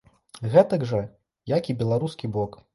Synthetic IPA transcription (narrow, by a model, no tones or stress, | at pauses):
ɣɛt̪ɐɡʐɐ | jakʲibʲɛlˠaɾuskʲibɔk